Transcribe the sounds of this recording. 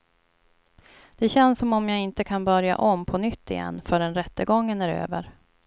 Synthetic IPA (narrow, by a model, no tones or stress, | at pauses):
d̪̥ɛɕɛnsːɔmɔmjaːɪnt̪əkʰanbœɾja̰ʔɔmpʰɔnʏt̪ːɪ̰jɛ̰nːfœɖɛnɾɛt̪ːəɡɔŋːənæɾø̰ːvəɾ